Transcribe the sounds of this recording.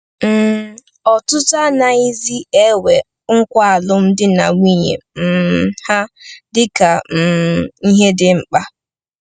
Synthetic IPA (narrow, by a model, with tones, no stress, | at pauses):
m̩˨ | ɔ˨tʊ˦ta˦na˨i˦zi˦e˦we˨ | ŋ̩˦kʷa˦a˨lʊ˦m̩˦dɪ˦na̰˨ŋʷi˦ɲḛ˨m̩˨ha˦dɪ˦ka˨m̩˨i˦ɦe˦dɪ˦ŋ͡m̩˨k͡pa˦